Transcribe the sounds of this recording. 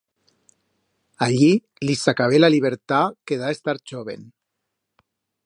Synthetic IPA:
aʎi | lisakaβelaliβeɾt̪akeðaest̪aɾʒoβḛn

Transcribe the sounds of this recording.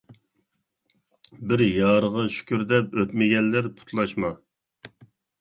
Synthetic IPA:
bɪɾjɑːɾəʁɑʃy̥kʲyɾd̪ɛpøt̪mɪɡʲɛnlɪɾpʰu̥t̪ʰlˠɑʃmɑ

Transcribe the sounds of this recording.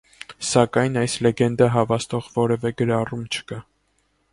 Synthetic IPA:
sɑkɑjnɑjslɛɡɛnd̪əɦɑvɑst̪ɔʁvɔɾɛvɛɡəɾɑrumt͡ʃʰə̥kɑ

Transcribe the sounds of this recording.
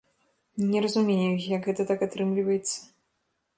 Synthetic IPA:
nʲɛɾɐzumʲejujɐkɣɛt̪ɐt̪akat̪ɾɨmlʲivɐjɛt̪sːɐ̥

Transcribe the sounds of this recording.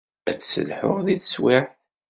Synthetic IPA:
æt͡sːsə̰lħʊ̰ʁðiðswɪħθ

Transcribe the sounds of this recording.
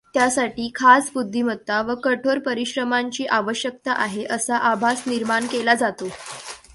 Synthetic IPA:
t̪jasaʈiːkʰasbud̪ʱːimət̪ːaʋəkəʈʰoɾpəɾiɕɾəmaɲt͡ɕiːʔaʋəɕjək̚t̪aʔaɦeʔəsaʔabʱasniɾmaɳkelad͡zat̪o

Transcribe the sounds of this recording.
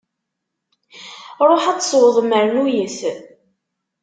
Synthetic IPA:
ɾˤoħat͡sːsˤwəðˤəmːəɾənujəθ

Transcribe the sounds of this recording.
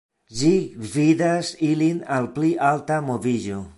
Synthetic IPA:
ʒiɡvid̪asilinalpliʔaltamoviʒo

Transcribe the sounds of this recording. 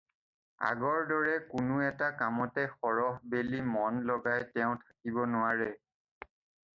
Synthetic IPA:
a̰ɡɔɹdɔɹɛkʊnʊɛtakamɔtɛxɔɹɔɦbelimɔnlɔɡajtɛʊ̃tʰḁkibɔnʊwaɹɛ

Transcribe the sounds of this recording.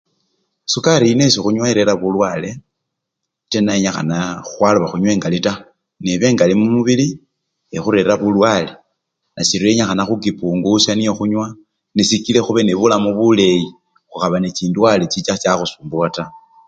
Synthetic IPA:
sukaɾine̞soxuɲwaiɾeɾaβulwaːle̞ | tenaeɲaxa̰naxwaluβaxuɲwe̞ːŋɡalita | neβe̞ːŋɡalimumuβili | exuɾe̞ɾaβulwale̞ | nasiɾueɲaxanaxukipuːŋɡusanijoxuɲwa | nisikile̞xuβeneβulamuβule̞ji | xuxaβanet͡ʃiːndwalet͡ʃit͡ʃat͡ʃaxusuːmbuata

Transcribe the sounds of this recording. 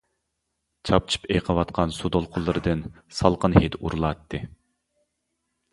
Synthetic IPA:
t͡ʃʰɑp̚t͡ʃʰɨ̥peqʰəwɑt̪qʰɑnsud̪olˠqʰʊlˠːɨɾɨd̪ɨn | sɑlˠqənhet̪uɾulˠɑt̪ːɨ

